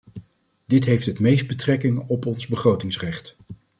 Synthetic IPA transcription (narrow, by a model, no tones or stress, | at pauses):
dɪtɦejftɦətmejsd̚bətrɛkɪŋɔpɔnzbəχrowtɪŋsrɛχt